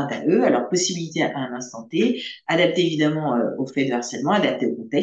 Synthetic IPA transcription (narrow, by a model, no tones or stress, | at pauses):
ɛ̃t̪a̰ʔøalɔʁpɔsibilit̪eʔaɛ̃nɛ̃st̪ɑ̃t̪ead̪ap̚t̪eːvid̪amɑ̃øofɛd̪əaʁsɛlmɑ̃ad̪ap̚t̪eokɔ̃t̪ɛ